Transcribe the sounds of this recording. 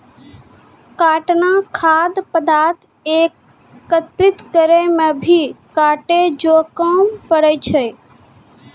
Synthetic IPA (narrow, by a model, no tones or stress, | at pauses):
kaːʈnakʰaːd̪pəd̪aːt̪ | eːkː | ət̪ɾɪt̪kəɾemẽbʱikaːʈed͡ʒoːkəmpəɾət͡ʃʰə